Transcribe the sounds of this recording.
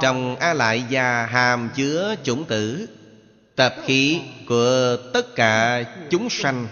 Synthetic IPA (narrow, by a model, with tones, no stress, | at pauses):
t͡ɕɔ˨˩wŋ͡mʔaː˧la̰ː˧˨jzaː˨˩ɦaː˨˩mt͡ɕɨ˨˦ət͡ɕʊ̰˧˩ŋ͡mt̪ɨ̰˧˩ | t̪ə˨˩p̚xi˨˦ku˧˩ət̪ə˦˥t̚kaː˧˩t͡ɕʊ˨˦ŋ͡mswa˧jŋ̟